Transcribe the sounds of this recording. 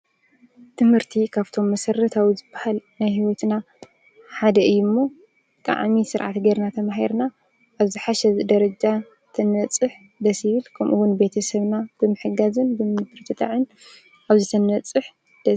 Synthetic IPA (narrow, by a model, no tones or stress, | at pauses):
t̪ʰɨmhɨɾt̪ʰikʰaβt̪ʰo̞mːɐsɐɾːɐt̪ʰawizɨbːahalnajhiwɔt̪na | ħad̪ɐʔɨjːumːo̞ | kʼa̰ʕmisɨɾʕa̰t̪ɡɐɾnat̪ʰɐmaɦiɾna | ʔːβzɨħaʃɛd̪ɐɾɐd͡ʒa | t̪ʰɐnɐt͡sʼɨħ | d̪ɐsjɪβɨlkʰɐmʔuwʊnbe̞t̪ʰɐsɐβnab̥ɨmɨħɨɡazɨnbɨmbɨɾt̪ʰɨt̪ʼa̰ʕɨn | ʔaβzɨt̪ʰɐnɐt͡sʼɨħ | d̪̥ɐ